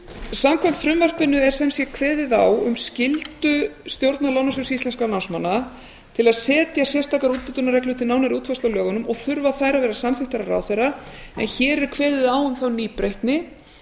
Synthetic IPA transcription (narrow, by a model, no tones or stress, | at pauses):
samkʰvam̥t̪fɾʏmvar̥pɪnːʏɛɾ̥sɛmsjɛkʰvɛːðɪðawʏmscɪlt̪ʏst̪jowɾt̪nalawnasʏɾsist̪lɛnskanansmanːa | t̪ʰɪlaðsɛːt̪jasjɛr̥st̪aːkaɾuːt̪ʏt̪ːʏnaɾrɛklʏt̪ɪnaːwnaɾiuːt̪fast̪awlœːɣʏnʏmɔɣθʏɾvaθaːjɾavɛːɾasamθɪht̪aɾaɾa̰ːwθejɾaɛ̰nçɛːɾɛɾ̥kʰvɛːðɪðawʏmθawniːpɾejht̪nɪ